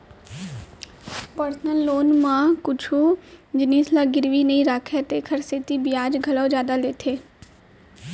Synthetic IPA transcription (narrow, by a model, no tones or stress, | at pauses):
pəɾsnəlːoːnmãːkʊt͡ʃʰud͡ʒɪniːslaːɡɪɾʋinəĩɾaːkʰet̪eːkʰəɾseːt̪ibɪjaːd͡ʒɡʱɐlɔːd͡ʒjaːd̪aleːt̪ʰeː